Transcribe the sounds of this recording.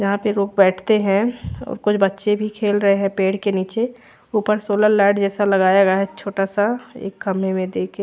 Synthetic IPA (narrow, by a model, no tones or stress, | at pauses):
d͡ʒɐɦãpeɾoːk̚bɛːʈʰt̪eɦɛ̃ɔ̰ːɾkʊt͡ʃʰbɐtːʃebʱikʰeːlɾɐɦeɦɛ̃peːɽkeniːt͡ʃe | uːpəɾsoːləɾlɛːɖd͡ʒɛːsalɐɡaːjaɡjaɦɛt͡ʃʰoːʈasaḛːkːɐmemẽd̪eːke